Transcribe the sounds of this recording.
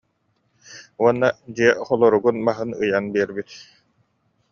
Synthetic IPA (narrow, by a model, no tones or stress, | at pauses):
uɔnːad͡ʑiɛχɔlˠɔɾuɡunbaɦɯnɯ̰janbiɛɾbit̪